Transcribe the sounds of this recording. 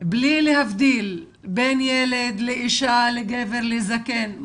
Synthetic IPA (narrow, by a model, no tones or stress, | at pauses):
blilehavd̪il | benjeled̪leʔiʃaleɡeveʁlezaken